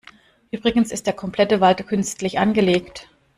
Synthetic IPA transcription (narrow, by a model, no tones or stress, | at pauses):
ʔyːbʁɪɡn̩sɪst̚d̥eːɐkʰɔmplɛtəvaltkʰʏnstlɪçʔanɡəleːkt